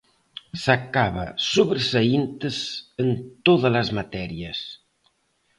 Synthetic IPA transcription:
sakaβa̰suβɾsaint̪əsənt̪oðələzmat̪ɛɾiəs

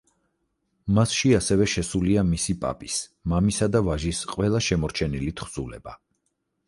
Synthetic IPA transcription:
masʃiasɛvɛʃɛsuliamisipʼa̰pʼismamisad̪avaʒisqʼwɛlˠaʃɛmɔɾt͡ʃʰɛnilit̪ʰχz̥ulɛ̰ba

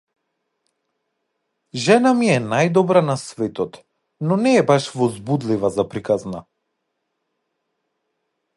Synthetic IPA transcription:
ʒɛnamiɛnajd̪ɔbɾanasvɛt̪ɔt̪ | nɔnɛːbaʃvɔzbud̪livazapɾikazna

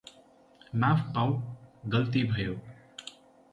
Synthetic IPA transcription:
mãːfpãũɡəlt̪ibʱəjoː

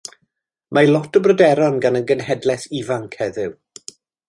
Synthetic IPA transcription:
malˠɔtʰəbrədɛɾɔnɡanənɡənɦɛdlɛθivaŋkʰhɛðɪw

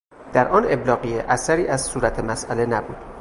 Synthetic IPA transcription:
d̪̥æɾʔɒːne̞blɒːɣijeʔæsæɾiːʔæz̥suːɾæt̪ʰemæsʔæle̞næbuːd̪̥

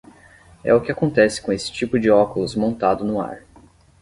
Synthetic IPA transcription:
ɛ̰ʊkɪakõnt̪ɛsɪ̥kõesɪ̥t͡ʃipʊd͡ʒɪɔkʊlʊzmõnt̪ad̪ʊnʊa̰ɾ

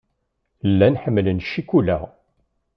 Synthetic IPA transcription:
lːænħəmːlənʃikulæ

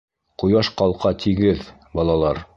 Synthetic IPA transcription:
qŭjɑʃqɑlˠqɑt̪ʰiɡɘð | bɑlˠɑlˠɑɾ

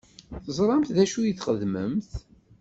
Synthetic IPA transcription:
θəzˤɾˤɑmθðæʃujəθχəðməmθ

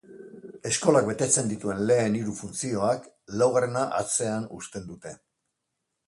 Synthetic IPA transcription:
e̞sko̞lak̚be̞t̪e̞t͡se̞nd̪it̪ue̞nle̞ːniɾufunt͡sio̞ak | lawɣaɾenaʔa̰t͡se̞anust̪e̞nd̪ut̪e̞

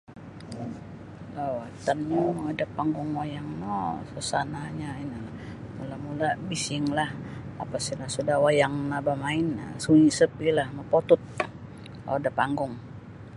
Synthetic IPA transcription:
lawat̪anɲamaadapaŋɡʊŋwajaŋnosəsanaɲainila | mulamulabisɪŋlaha̰pasilahsudahwajaŋnabamaɪna̰suisəpilahməpot̪ʊt̪̚ | la̰wadapaŋɡʊŋ

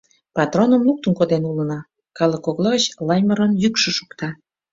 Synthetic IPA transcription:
pɑt̪ronə̆mluk̚t̪ənkod̪enulə̆nɑ | kɑlə̆koɣlˠoət͡ɕlɑjməɾənjykʃə̆ʃu̥kt̪ɑ

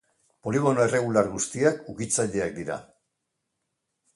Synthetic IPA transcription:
po̞liɣ̞o̞noere̞ɣ̞ulaɾɣust̪iakukit͡saʎe̞ak̚d̪iɾa̰

